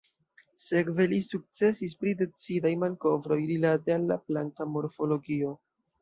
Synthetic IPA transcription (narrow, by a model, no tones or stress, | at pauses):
se̞kve̞lisuk̚t͡se̞sispɾide̞t͡sidajmanko̞vɾo̞jɾilate̞alːaplantamo̞ɾfo̞lo̞ɡio̞